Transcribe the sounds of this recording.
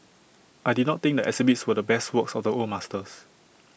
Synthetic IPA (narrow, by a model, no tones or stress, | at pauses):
ʔajdidnɔt̚t̪ɪ̃ŋk̚dəʔɛsibitswədəbɛstwəksɔfdəolmastəs